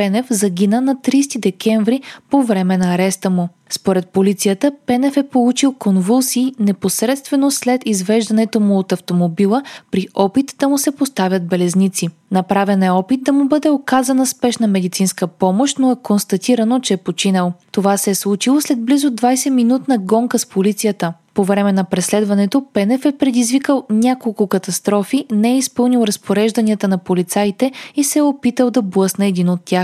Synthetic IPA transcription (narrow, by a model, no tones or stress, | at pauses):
pɛnɛfzɐɡ̟inənɐt̪ɾist̪id̪ɛkʲɛɱvɾipovɾɛmɛnɐːɾɛst̪əmu | spoɾɛt̪̚polit̪sijət̪əpɛnɛfɛpolˠut͡ʃilˠkonvulˠsinɛposɾɛt̪st̪vɛnoslɛt̪izvɛʒd̪ɐnɛt̪omʊot̪ɐft̪omobilˠəpɾiʔɔpit̪d̪ɐmusɛpost̪avʲjɐt̪̚bɛlɛznit̪si | nɐpɾavɛnɛɔpit̪̚d̪ɐmubɤd̪ɛokazɐnəspɛʃnəmɛd̪it̪sinskəpɔmoʃt̪noɛkonst̪ɐt̪iɾɐnot͡ʃɛɛpot͡ʃinəlˠt̪ovasɛɛslˠut͡ʃilˠoslɛd̪̚blizʊd̪vajsɛminut̪nɐɡɔŋkəspolit̪sijət̪əpovɾɛmɛnɐpɾɛslɛd̪vɐnɛt̪opɛnɛfɛpɾɛd̪izvikəlˠnʲakolˠkʊkɐt̪ɐst̪ɾɔfinɛɛispɤlˠnilˠɾɐspoɾɛʒd̪ɐniət̪ənɐpolit̪sajt̪ɛisɛopit̪əlˠd̪ɐblˠɤsnɛːd̪inot̪ːʲjax